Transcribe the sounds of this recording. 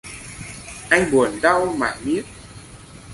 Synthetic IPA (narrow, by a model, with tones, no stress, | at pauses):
ʔa˧jŋɓu˨˩ənɗa˧wma̰ː˧˨jmi˦˥ət̚